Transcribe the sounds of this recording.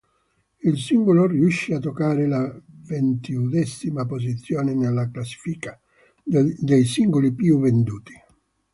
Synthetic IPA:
ilsiŋɡoloriuʃːiat̪ːokːaːɾɪlavent̪iud̪ɛsːimapos̬it̪sːjoːnɪnelːaklasːi̥fika | d̪ejsiŋɡolipjuvend̪uːt̪i̥

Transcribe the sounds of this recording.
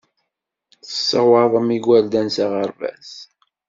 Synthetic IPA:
θə̥sːəwɑðˤəmiɡʷæld̪ænsaʁəɾvæ̰s

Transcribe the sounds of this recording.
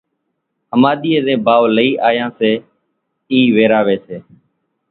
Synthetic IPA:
həmaːɗ̪iːeːd̪ẽːbaːʋləiːʔaːjãːseː | iːʋeːɾaːʋeːseː

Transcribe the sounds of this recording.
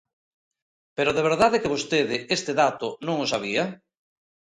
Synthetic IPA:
peɾoðeβ̞eɾðaðekeβ̞ost̪eðɪʔest̪eðat̪ʊnõŋosaβ̞ia

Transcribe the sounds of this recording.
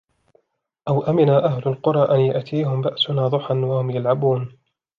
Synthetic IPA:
ʔawʔamɪnaʔahlʊlqʊɾˤɑːʔanjʊʔt̪ʰiːhʊmbaʔsʊnaːd̪ˤʊħanwahʊmjalʕabuːn

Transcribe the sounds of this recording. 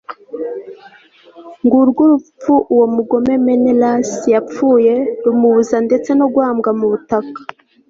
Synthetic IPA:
ŋɡuɾɡuɾup͡fuʔuwo̞muɡo̞me̞me̞nelasjap͡fuːje̞ɾumuβuzande̞t͡se̞no̞ɡwaːmɡamuβutakḁ

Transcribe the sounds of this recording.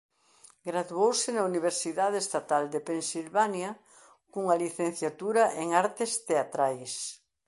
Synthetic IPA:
ɡɾaðuowsɪnɐuniβ̞eɾsiðaðeːst̪at̪ald̪epensilβanjɐ | kuŋɐliθen̟θjat̪uɾɐʔeŋaɾt̪ɪst̪eat̪ɾajs

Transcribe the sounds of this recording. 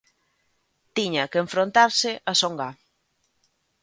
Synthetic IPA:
t̪iɲakeɱfɾont̪aɾsɪʔasoŋɡa

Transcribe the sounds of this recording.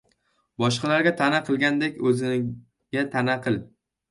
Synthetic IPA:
bɒʃqɑlaɾɡʲat̪ʰanaqʰɨlˠɡʲand̪ekʲɵzɪn | ɡʲat̪ʰanaqʰɨlˠ

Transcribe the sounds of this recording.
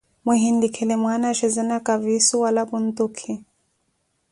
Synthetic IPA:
muɦindikʰɛlɛmwanaʃɛzɛnakʼavisuwalapun̩t̪ukʰi

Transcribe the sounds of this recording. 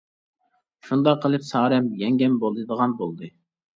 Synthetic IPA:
ʃund̪ɑqʰːəlˠɨpsɑːɾɛmjɛŋɡʲɛmbolˠɨd̪əʁɑnbolˠd̪ɨ

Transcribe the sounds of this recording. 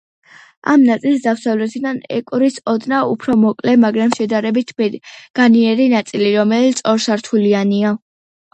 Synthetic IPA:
a̰mnat̪sʼilˠs̬d̪afsavlɛt̪ʰid̪anɛ̰kʼɾisɔd̪naupʰɾɔmɔkʼlɛmaɡɾamʃɛd̪aɾɛbit̪ʰɡ̥aniɛɾinat̪sʼiliɾɔmɛlisʼɔɾsaɾt̪ʰuliania

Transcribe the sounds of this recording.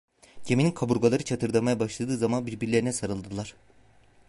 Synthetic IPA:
ɟʰemininkʰabuɾɡalˠaɾɯt͡ʃʰat̪ʰɯɾd̪amajabaʃlˠad̪ɯːzamanbiɾbiɾlʲeɾinɛsaɾɯlˠd̪ɯlˠaɾ̥

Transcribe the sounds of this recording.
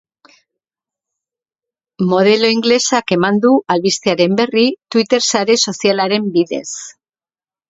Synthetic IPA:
mo̞ð̞e̞lo̞iŋɡle̞sake̞mand̪uʔalβist̪eaɾe̞mbe̞rit̪wit̪e̞ɾsaɾe̞so̞sialaɾe̞mbiðe̞̰s

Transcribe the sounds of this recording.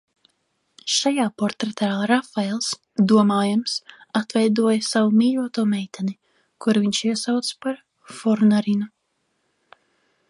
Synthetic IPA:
ʃajaːpɔɾt̪ɾɛt̪ʰaːɾafaelˠs | d̪uɔmaːjamsat̪vɛjd̪uɔjɐsavumiːʎuɔt̪uɔmɛjt̪ʲʰɛni | kuɾviɲʃiɛsawt̪spaɾ | fɔɾnaɾinu

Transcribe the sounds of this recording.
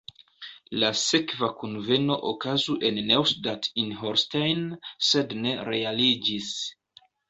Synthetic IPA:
lase̞kvakunve̞no̞ʔokazuʔe̞nːewsdatinɦoɾstajnse̞dne̞ɾe̞alid͡ʒis

